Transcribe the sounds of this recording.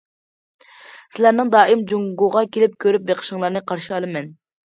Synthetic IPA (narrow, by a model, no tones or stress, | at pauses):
sɪlæɾnɪŋd̪ɑːimd͡ʒuŋɡuʁɑkʲelɪp̚kʲʰøɾyp̚beqʰə̥ʃɪŋlˠɑɾnɨqʰɑɾʃiɑlˠɨmɛn